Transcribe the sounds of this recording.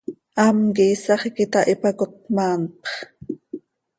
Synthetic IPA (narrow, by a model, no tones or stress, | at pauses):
ʔɑmkiːsɑχikit̪ɑʔipɑkot̪̚mɑːnpχ